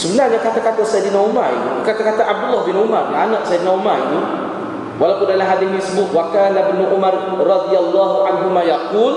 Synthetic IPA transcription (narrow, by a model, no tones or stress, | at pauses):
səbəlahɲakat̪akat̪asajd̪inaumaḭt̪ṵkat̪akat̪aʔab̚dulːɔhbinʊmarlaanaʔsajd̪inaumaḭnu | walawpʊndalamɦadanisəbʊt̪̚wakaːnabənuʔumarrɑd̪ijalːaɦuʔanɦumajaquːl